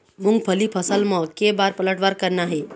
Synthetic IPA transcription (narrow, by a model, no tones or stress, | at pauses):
mũŋɡ̚pʰəlipʰəsəlmɔ̃kebaɾpələʈʋaɾkəɾnaɦe